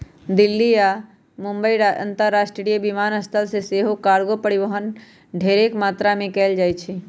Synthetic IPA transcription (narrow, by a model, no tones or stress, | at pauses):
d̪ɪlːijaː | mʊ̃mbəiɾə̰̃nt̪əɾːaːʃʈɾɾijəbimaːnəst̪ʰəlseseːɦokaːɾɡopəɽiʋəɦən | ɖʱeːɾekmaːt̪ɾamẽkɛːld͡ʒaːjt͡ʃʰi